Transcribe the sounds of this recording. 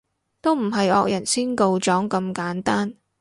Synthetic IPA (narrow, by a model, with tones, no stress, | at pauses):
t̪o˥wm̩˨˩ɦɐ˨jɔ̰ː˧k̚jɐ˨˩nsiː˥nko˧wt͡ʃɔː˨˥ŋkɐ˧mkaː˨˥nt̪aː˥n